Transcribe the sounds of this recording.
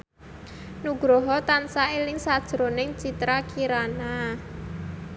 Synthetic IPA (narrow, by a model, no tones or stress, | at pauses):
nuɡ̥ɾɔɦɔt̪ansaelɪŋsad̥ʒ̥ɾonɪŋt͡ʃit̪ɾakiɾana